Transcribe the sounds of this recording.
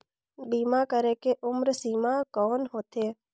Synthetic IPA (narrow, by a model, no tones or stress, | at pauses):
bimãkəɾekeʔʊmɾəsiːmãkɔːnɦot̪ʰe